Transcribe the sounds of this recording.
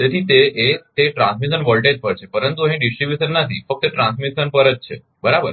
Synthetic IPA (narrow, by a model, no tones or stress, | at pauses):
t̪et̪ʰiːt̪eʔet̪eʈɾãnsmisənʋəlʈet̪̚pəɾt͡ɕʰepəɾənt̪uɦẽɖisʈɾibjusənːat̪ʰḭːfək̚t̪ːəʈɾãnsmisənpəɾət̪̚t͡ɕʰḛ | bəɾabəɾ